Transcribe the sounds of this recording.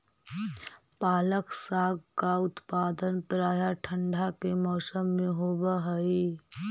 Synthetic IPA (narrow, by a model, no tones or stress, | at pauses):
paːləksaːɡkaʊt̪paːd̪ənpɾaːjaʈʰə̃ɳɖʱakemɔːsəmːẽɦoːbaɦəi